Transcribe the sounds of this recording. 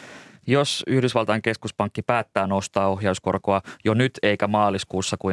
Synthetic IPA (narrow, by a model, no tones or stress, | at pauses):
josyhdysʋɑlt̪ɑjeŋke̞skuspɑŋkːipæːt̪ːæːnost̪ɑːo̞ɦjɑusko̞̰rkoɑjonyt̪e̞jkæmɑːliskuːsːɑku